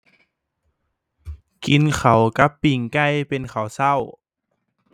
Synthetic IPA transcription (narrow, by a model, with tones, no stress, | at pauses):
ki˧nkʰa˨˩wka˧˦˥pːi˨˩ŋka˧˥˩jpe˧nkʰa˨˩˦wsa˥˩˨w